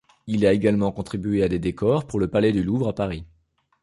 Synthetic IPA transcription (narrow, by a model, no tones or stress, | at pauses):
ilaeɡalmɑ̃kɔ̃t̪χibɥead̪ed̪ekɔʁpuʁləpalɛd̪yluvʁapaʁi